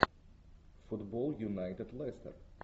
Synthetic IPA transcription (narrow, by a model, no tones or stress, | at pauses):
fʊtbɔlˠjunaɪtɨdlɛst̪ə̰ɹ